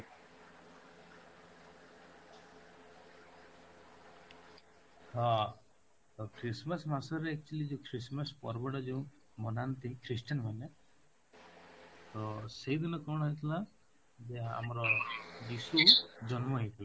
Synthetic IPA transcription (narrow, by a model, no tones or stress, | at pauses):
ha | kʰɾismasmasɔɾeek̚t͡ʃulid͡ʒẽkʰɾismaspɔ̰ɾbɔɽad͡ʒẽ | mɔnant̪ikʰɾisʈənmane | t̪ɔseid̪inɔkɔɽ̃ɦejt̪ʰila | d͡ʒea̰mɔɾɔd͡ʒisud͡ʒɔnmɔɦejt̪ʰila